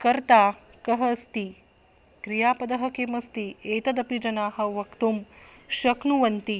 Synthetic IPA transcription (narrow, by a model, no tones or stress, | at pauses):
kɐɾt̪aːkɐɦɐst̪i | kɾijaːpɐd̪ɐɦɐ̆keːmɐst̪ieːt̪ɐd̪ɐpid͡ʒɐnaːɦɐ̆ʋɐkt̪umʃɐknuʋɐnt̪i